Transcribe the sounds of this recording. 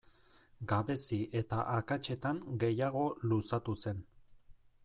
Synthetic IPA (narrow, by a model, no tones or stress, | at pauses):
ɡaβe̞siʔe̞t̪aʔakat͡ʃe̞t̪aŋɡe̞jaɣ̞o̞lusat̪use̞n